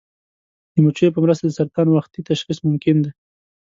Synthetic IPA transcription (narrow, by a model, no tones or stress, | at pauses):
d̪əmut͡ʃejpəmɾəs̬t̪ad̪əsaɾt̪ɑnwaxt̪it̪aʃxismʊmkɪnd̪e